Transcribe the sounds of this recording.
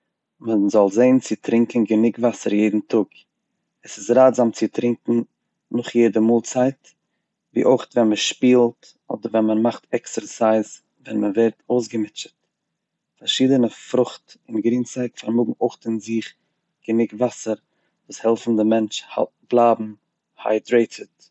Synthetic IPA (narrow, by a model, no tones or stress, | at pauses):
məzɔlˠzeɪnt͡sɪtɾɪŋkn̩ɡənɪɡvasəɾjeɪdn̩tʰʊɡ | əsɪsɾaːzamt͡sɪtɾɪŋkŋ̩ | nʊχjeɪdəmuːlˠt͡saɪt | vḭːʔoɪχtvɛnməʃpiːlˠt | ɔ̰dəɾvɛnmənmaχtɛksəɾsaɪz | vɛnməvɛɪɾtoʊsɡəmɪt͡ʃət | faɾʃiːdənəfɾʊχtɪnɡɾiːnt͡saɪkfaɾmʊɡŋ̩oɪχtɪnzɪχ | ɡ̥ənɪɡvasəɾ | vuːshɛlˠfn̩dɪmɛnt͡ʃha̰ | blˠaːbm̩ | ha̰ɪdɾeɪtʰət